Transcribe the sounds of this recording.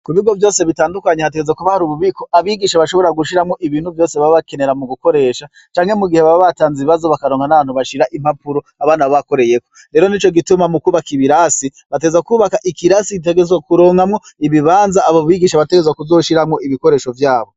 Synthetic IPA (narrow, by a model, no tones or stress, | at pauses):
kuβiɡo̞vjo̞ːse̞βitaːndukaɲe̞hateɡezakuβahaɾuβuβiko̞ʔaβiɡiʃaβaʃo̞βo̞ɾaɡuʃiɾamŋo̞ʔiβiːnhuvjo̞ːseβaββake̞ne̞ɾamuɡuko̞ɾe̞ːʃa | t͡ʃaːŋhe̞muɡiheβaβaβataːnziβiβazo̞βakaɾoːŋɡanaβaːn̥huβaʃiɾaʔim̥hapuɾoaβaːnaβaβako̞ɾe̞je̞koɾeːɾo̞nit͡ʃo̞ɡitumamukuːβakiβiɾasi | βateɡezakuːβakaʔikiɾasikit̬e̞ɡezakuɾo̞ːŋɡamŋo̞ | iβiβaːnzaːβoβiɡiːʃaβate̞ɡezakuzo̞ːʃiɾamŋo̞ʔiβiko̞ɾe̞ːʃo̞vjaːβo̞